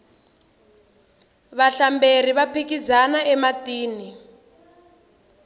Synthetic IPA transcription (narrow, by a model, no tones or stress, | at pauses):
βaɬamber̤iβapʰikizanaɛmatiːni